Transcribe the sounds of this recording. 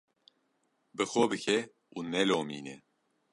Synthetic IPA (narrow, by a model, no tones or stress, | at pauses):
bɨxobɨkʰɛ | uːnɛloːmiːnɛ